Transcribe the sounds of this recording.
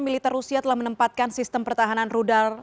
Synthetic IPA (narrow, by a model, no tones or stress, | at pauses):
milit̪ɛrːusiat̪əlahmənəmpat̪̚kansist̪əmpərt̪aɦananrudal